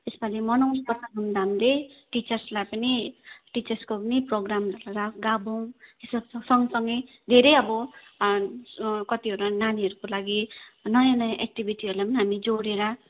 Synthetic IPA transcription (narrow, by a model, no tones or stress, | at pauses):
esbalimʌnʌwnkʌsʰaɦund̪aɦamileʈit͡sʌrslajpʌniʈit͡sʌrskopʌniproɡramrʌlaɾʌɡabow̃ɦisabsʌsʌŋɡʌsʌŋɡʌj | d̪ʱeɾʌjʌbʌ | kʌt̪iɦʌɾulananiɦʌɾukolaɡinʌjanʌjãʔek̚ʈibʱiʈiɦʌɾulajpʌniɦamid͡zoɽeɾʌ